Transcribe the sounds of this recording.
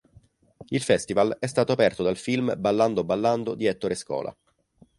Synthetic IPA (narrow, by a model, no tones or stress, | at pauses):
ilfɛst̪ivalɛst̪aːt̪oapɛrt̪od̪alfilmbalːand̪obalːand̪od̪iɛt̪ːoɾeskɔ̰ːlʔa̰